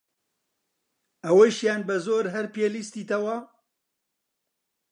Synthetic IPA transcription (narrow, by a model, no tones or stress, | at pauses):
ɐwɐʃjaːnbɐzoːɾɦɐɾpelist̪iːt̪ɐwɐ